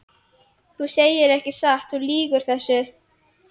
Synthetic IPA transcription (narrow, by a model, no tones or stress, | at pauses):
θuseːjɪɾɛhcɪsaht̪θuliːkʏɾ̥θɛsːʏ